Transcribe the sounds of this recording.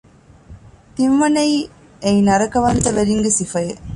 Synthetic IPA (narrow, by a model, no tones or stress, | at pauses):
t̪imʋɐnɐj | ejnɐɾɐkɐʋɐnt̪ɐʋæɾiŋɡesifɐjɐ